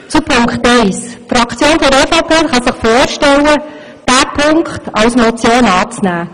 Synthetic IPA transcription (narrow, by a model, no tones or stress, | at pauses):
t͡supʰʊŋkχtɛɪsfɾɑkʰt͡sjoːnfɔdɛfapʰeːχɑsɪχfoːɾʃtɛlə | d̥æːpʰʊŋktɑlsmɔt͡sjoːnɑːt͡snæː